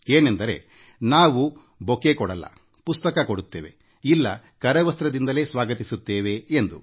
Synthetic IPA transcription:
eːnend̪ɐɾe̞̰ | naːʋu | bokekɔɽɐlːɐ̰ | pust̪ɐkɐkoɽut̪ːeːʋe | ilːɐ | kɐɾɐʋɐst̪ɾɐd̪ind̪ɐle̞ːsʋaːɡɐt̪isut̪ːeːʋe̞ːnd̪u

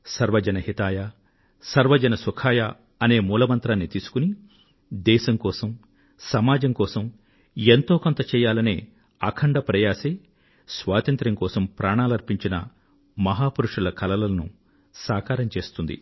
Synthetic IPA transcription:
sɐɾʋɐd͡ʒɐnɐhit̪aːja | sɐɾʋɐd͡ʒɐnɐsukʰaːja | ɐne̞ːmuːlɐmɐnt̪ɾaːnːit̪iːsu̥kuni | d̪ɛːʃɐŋkɔːsɐm | sɐmaːd͡ʒɐŋkɔːsɐm | ent̪oːkont̪ɐt͡ʃɛːjaːlɐnḛː | ɐkʰɐɳɖɐpɾɐjaːseː | sʋaːt̪ɐnt̪ɾɐŋkɔːsɐmpɾaːɳaːlɐɾpiɲt͡ʃinɐ̰ | mɐɦaːpuɾuʂulɐkɐlɐlɐnṵ | saːkaːɾɐmt͡ʃe̞ːst̪und̪ḭ

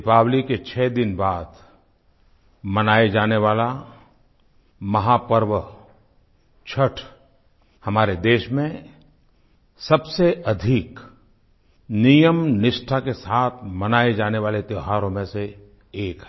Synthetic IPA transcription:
paːbliket͡ʃʰɛːd̪ɪnbaːd̪ | mɐnaːed͡ʒaːneʋaːla | mɐɦaːpəɾʋə | t͡ʃʰəʈʰ | hɐmaːɾed̪eːʃmẽ | sɐbseɐd̪ʱik | nijəmnɪʃʈʰakesaːt̪ʰmɐnaːed͡ʒaːneʋaːlet̪joɦaːɾõmẽse | eːkɦɛ

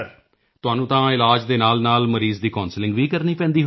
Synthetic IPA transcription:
t̪ʊaːnũːt̪ãːɪlaːd͡ʒd̪eːnaːlnaːlməɾiːzd̪iːkɔːnslɪ̃ŋɡʋiːkəɾniːpɛ̃ːnd̪iːɦ

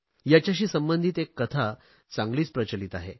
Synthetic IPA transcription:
jat͡ɕjaɕ̬iːsəmbənd̪ʱiːt̪ekːət̪ʰa | t͡sãŋɡliːt͡spɾət͡ɕəliːt̪aɦe

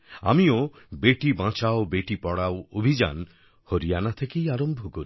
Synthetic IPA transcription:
a̰mio | beʈibãt͡ʃaobeʈipɔɽaoobʱid͡ʒa̰n | hoɾijanat̪ʰekejaɾombʱɔkoɾi

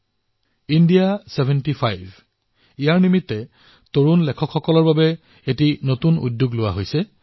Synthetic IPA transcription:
indijasebʱɛntipʰajbʱ | ijaɹnimitːɛ | toɹunlɛkʰɔkʰxɔkɔlɔɹbabɛ | etinotunṵdjuɡlʊwaɦojsɛ

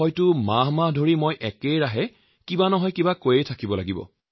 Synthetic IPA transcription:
ɔjtʊmaɦmaɦdʱoɹimojʔɛkejɹaɦɛ | kibanɔɦɔjkibakojɛjtʰakibɔlaɡibɔ̰

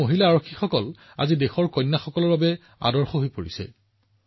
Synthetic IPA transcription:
oɦilaːɹokʰːixɔkɔl | a̰zidexɔɹkɔjnːaxɔkɔlɔɹbabɛ | a̰dɔɹxɔɦojpoɹḭsɛ̰

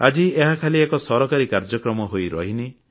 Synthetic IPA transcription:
ad͡ʒieɦakʰaliekɔsɔɾɔkaɾikaɾd͡ʒɔkɾɔmɔɦojɾɔ̰ɦini

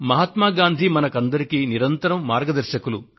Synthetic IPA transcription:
mɐɦɐt̪maːɡaːnd̪ʱimɐnɐkɐnd̪ɐɾikiniɾɐnt̪ɐɾɐmːaːɾɡɐd̪ɐɾʃɐkulu

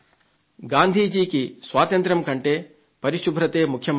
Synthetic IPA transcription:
ɡaːnd̪ʱiːd͡ʒiːkisʋaːt̪ɐnt̪ɾɐmkɐɳʈeː | pɐɾiʃubʱɾɐt̪eːmukʰjɐm

